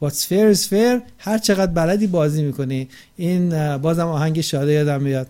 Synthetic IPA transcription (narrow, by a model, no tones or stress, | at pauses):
bɒːsfeɾsfeɾ | hæɾt͡ʃʰe̞ɣæd̪̚bælæd̪iːbɒːziːmiːkʰo̞ni | iːnbɒːzæmɒːhæŋɟeʃɒːd̪ejɒːd̪æmːijɒd̪̥